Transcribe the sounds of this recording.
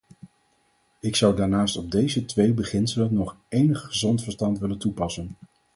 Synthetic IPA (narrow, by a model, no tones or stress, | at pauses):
ɪksʌwdaːɹnaːstɔb̚dejzətʋejbəχɪnsələnːɔχʔejnəχχəzɔntfəɹstɑntʋɪləntupɑsən